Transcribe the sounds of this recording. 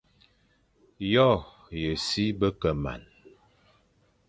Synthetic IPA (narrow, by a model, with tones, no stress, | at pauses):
jɔ˦˨ | jə˨si˦bə˦kə˨ma̰˨n